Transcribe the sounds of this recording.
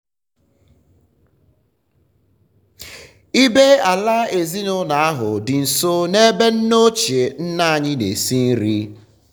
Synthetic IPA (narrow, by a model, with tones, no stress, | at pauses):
i˦be˦a˨la˦e˨zi˦nʊ˦na˨a˦ɦʊ˨dɪ˨n̩˨so˦ne˦be˦n̩˦no˦t͡ʃe˨n̩˦na˦a˨ɲɪ˦nḛ˨si˦n̩˦ɾi˦